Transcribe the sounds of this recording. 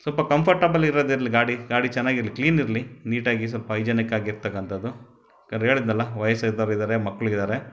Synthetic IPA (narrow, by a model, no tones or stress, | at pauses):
sɐlpɐkɐmpʰɐɾʈɐbɐliɾoːd̪iɾɐliɡaːɽiɡaːɽit͡ʃɛnːaːɡiɾlikliːniɾɐliniːʈaːɡis̬ɐlpɐɐjd͡ʒɐnikaːɡiɾt̪ɐkːɐnt̪ɐd̪ːu | kɐnɦe̞ːɭid̪nɐlːɐʋɐjɐsɐd̪aɾid̪aːɾemɐkːɐɭuid̪aːɾe̞